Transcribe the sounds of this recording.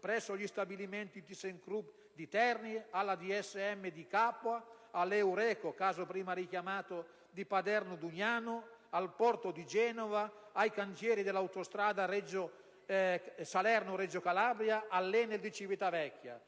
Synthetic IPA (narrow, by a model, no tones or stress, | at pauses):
pɾɛsːoʎist̪abilimɛnt̪id̪iseŋkɾup | d̪it̪ɛrnialːad̪iɛsːɛmːed̪ikapːwa | alɛwɾɛːkokaːzopɾiːmaɾikjamaːt̪o | d̪ipad̪ɛrnod̪uɲaːnoalpɔrt̪od̪id͡ʒɛːnovaajkant̪jɛːɾid̪elːawt̪ost̪ɾaːd̪aɾɛd͡ʒo | salɛrnoɾed͡ʒokalabɾjaʔalːeneld̪it͡ʃivit̪avɛkːja̰